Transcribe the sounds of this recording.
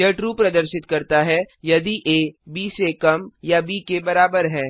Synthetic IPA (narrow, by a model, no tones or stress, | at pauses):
ɐʈɾupɾɐd̪əɾʃɪt̪kɐɾt̪aɦɛjɐd̪iʔeːbiːsekɐmjabiːkebɐɾaːbəɾɦɛ̃ː